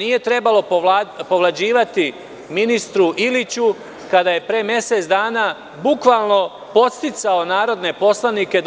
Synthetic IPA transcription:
niːje̞t̪ɾe̞balo̞po̞ʋlˠad͡ʑiːʋat̪i | minist̪ɾuʔilit͡ɕu | kad̪aje̞pɾe̞ːmje̞se̞t̪d̪aːnaː | bukʋalˠno̞ | po̞t̪st̪it̪sao̞naːɾo̞d̪ne̞po̞slˠanike̞

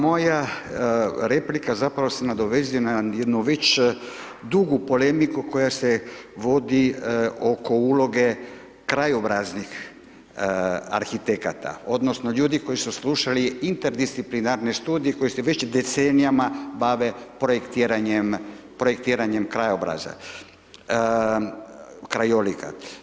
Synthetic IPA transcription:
mo̞ja | ɾe̞plikazapɾaʋosenad̪o̞ʋe̞zijonajed̪nuʋe̞t͡ɕ | d̪uɡupo̞le̞mikuko̞jase̞ʋo̞d̪io̞ko̞ulo̞ɡe̞ | kɾajobɾaznix | a̰ɾxit̪ekat̪ʰa̰o̞d̪no̞snoʎuːd̪iko̞jisusluʃaliint̪eɾd̪ist̪siplinaɾnest̪uːd̪ijeko̞jiseʋe̞t͡ɕd̪e̞t̪senijamabaʋe̞pɾojekt̪iɾaɲem | pɾojek̚t̪iːɾaɲemkɾajobɾa̰za̰ | kɾajolika̰t̪

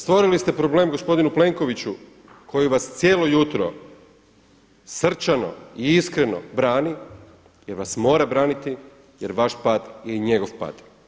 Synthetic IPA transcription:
st̪ʋo̞ɾilist̪e̞pɾo̞ble̞mɡo̞spo̞d̪inuple̞ŋko̞ʋit͡ɕu | kʰo̞jiʋast̪sjeːlo̞jut̪ɾo̞̰ | sr̩t͡ʃano̞̰iiskɾe̞no̞̰bɾaːni | jeɾʋasmo̞ːɾabɾaːnit̪i | jeɾʋaʃpaːd̪jeiɲe̞ɡoʋpa̰ːd̪

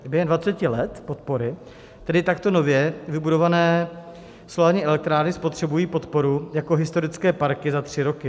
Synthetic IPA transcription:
bʲjɛɦɛmnd̪vat͡sɛcɪlɛt̪po̞t̪̚po̞ɾɪ | t̪ɛdɪt̪akt̪o̞no̞vjɛvɪbudo̞vanɛː | solaːɾɲiːʔɛlɛk̚t̪ɾaːɾnɪspo̞t̪r̝̥ɛbujiːpo̞t̪po̞ɾujakoɦɪst̪o̞ɾɪt͡skɛːpaɾkɪzat̪r̝̥ɪɾo̞kɪ

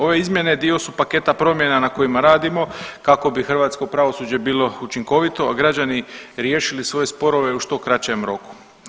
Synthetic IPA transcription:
o̞ʋe̞izmje̞ne̞d̪io̞supake̞t̪apɾo̞mje̞nanako̞imaɾaːd̪imo̞kako̞bixr̩ʋaːt̪sko̞pɾaʋo̞suːd͡ʑe̞biːlˠo̞ut͡ʃiŋko̞ʋit̪o̞aɡɾad͡ʑaniɾje̞ːʃilisʋo̞je̞spo̞ɾo̞ʋe̞uʃt̪o̞kɾat͡ɕe̞mɾo̞ku̥

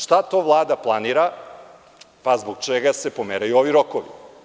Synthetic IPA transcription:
ʃt̪at̪o̞ːʋlˠaːd̪aplˠaniːɾa | pazboɡ̚t͡ʃeɡase̞pomeɾajuo̞ʋiɾokoʋi

